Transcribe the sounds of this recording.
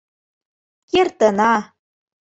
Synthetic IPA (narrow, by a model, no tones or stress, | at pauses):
kert̪ənɑ